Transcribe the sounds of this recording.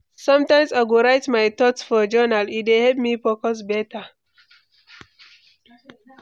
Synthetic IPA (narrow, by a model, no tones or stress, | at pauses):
sʌ̃mtãɪ̃msaɡoɹaɪtmajt̪ɔtsfɔd͡ʒɔnalitdehɛlp̚mipɔkɔs̬bɛta